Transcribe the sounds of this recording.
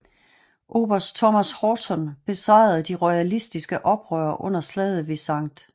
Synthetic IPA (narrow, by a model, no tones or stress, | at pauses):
ʔo̝̰ːb̥ɐsd̥t͡sʰɒmæshɒːsɒ̽nb̥e̝sɑ̈ɪ̰ð̩ˠd̥iʁɔɪælisd̥isɡ̥əʔɒ̽b̥ʁœːɐʔɔ̽n̰ɐslɛð̞ˠʋesɑ̈ŋ̰d̥